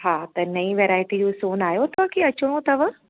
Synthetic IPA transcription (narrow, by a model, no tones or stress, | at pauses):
ɦãːt̪ɐnɐiʋeːɾaːjɪʈid͡ʒoːsoːnaːjot̪aːkiɐt͡ʃʰoõt̪ɐʋ